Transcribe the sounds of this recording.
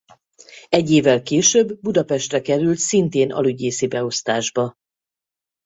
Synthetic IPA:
ɛɟːeːvːɛlkeːʃøbːud̪ɒpɛʃt̪rɛkɛɾylt̪sint̪eːnɒ̰lyɟeːsibɛo̞st̪aːʒbɒ

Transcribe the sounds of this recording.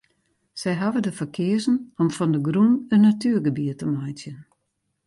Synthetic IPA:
sɛjɦavədəfərkʰɪəzn̩ɔmfɔndəɡrunənːatyərɡəbiətəmajtjən

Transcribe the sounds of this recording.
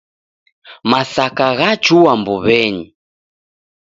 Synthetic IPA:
masakaɣat͡ʃuambuβɛɲi

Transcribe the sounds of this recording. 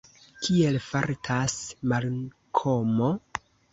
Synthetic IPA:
kʰielfaɾtʰasmal | kʰomo

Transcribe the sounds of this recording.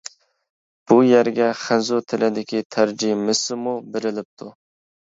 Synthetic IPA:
b̥ujæɾɡʲɛχɪnzut̪ʰɪlɪd̪ɪkʲʰit̪ʰæɾd͡ʒimɪsɪmubeɾɪlɪp̚t̪ʰu

